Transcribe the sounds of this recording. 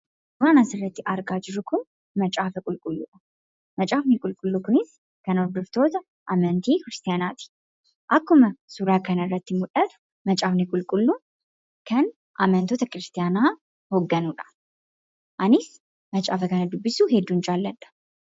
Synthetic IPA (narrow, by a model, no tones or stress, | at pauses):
sʊɾaːnasɪrːɐt̪ːɪʔɐɾɡaːd͡ʒɪɾʊkʊn | mɐt͡ʃʼaːfɛkʼʊlkʼʊlːṵːᶑɐ̥ | mɐt͡ʃʼaːfnikʼʊlkʼʊlːukʊnɪs | kɐnɔɾd̪ɔft̪o̞ːt̪ɐ | ʔamɐnt̪ikɪɾɪst̪ɪjaːnaːt̪i̥ | ʔɐkːʊmɐsuɾaːkɐnɐrːɐt̪ːɪmʊᶑʼɐt̪ | mɐt͡ʃʼaːfnikʼʊlkʼʊlːu | kʰɐn | ʔamɐnt̪oːt̪ʰɐkɾɪst̪ɪjaːnaː | hoɡːɐnuːᶑɐ̥ | ʔɐnɪs | mɐt͡ʃʼaːfɐkɐnɐd̪ʊbːɪsuːhɛd̪ːunt͡ʃʼaːlːɐᶑ̪ʼɐ̥